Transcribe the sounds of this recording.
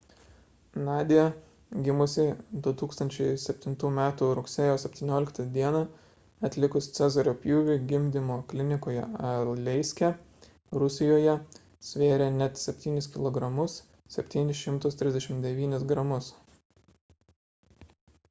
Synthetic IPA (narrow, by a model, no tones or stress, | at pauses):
nɑːd̪ʲɪjɛ | ɡʲɪmʊsʲɪd̪ʊt̪uːkst̪ɐnʲt͡ʃʲɛɪsʲɛpʲt̪ʲɪnt̪uːmʲæːt̪uɾʊksʲeːjoːsʲɛpʲt̪ʲiːnʲoːlʲɪkt̪ɐd̪ʲiɛnɑ | ɐt̪ʲlʲɪkʊst̪sʲæzɐɾʲoːpʲjuːʋʲɪːɡʲɪmʲd̪ʲɪmoːklʲɪnʲɪkoːjɛ̰ɐlˠlʲɛɪsʲkʲɛ | ɾʊsʲɪjoːjɛ | sʲʋʲeːɾʲɛnʲɛt̪sʲɛpʲt̪ʲiːnʲɪskʲɪlˠɔɡɾɐmʊs | sʲɛpʲt̪ʲiːnʲɪsʃʲɪmt̪ʊst̪ʲɾʲɪzd̪ʲɛʃʲɪmd̪ʲɛʋʲiːnʲɪsɡɾɐmʊs